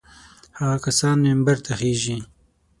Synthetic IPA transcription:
haɣakasɑːnmembaɾt̪ʰaxeːʒi

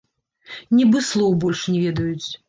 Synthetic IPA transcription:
nʲibɨslˠɔwbɔlʲʂnʲɛvʲɛd̪ɐjut͡sʲ

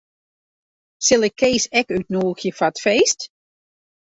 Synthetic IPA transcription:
sɪlˠɪkʰːejsɛkyt̚nuːxjəfatfeːst

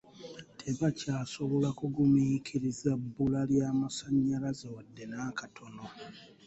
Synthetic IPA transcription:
tʰe̞βacaːso̞βo̞lakuɡumikʰiɾizabːulaljaːmasaɲːalazewadːe̞naːkatʰo̞no̞

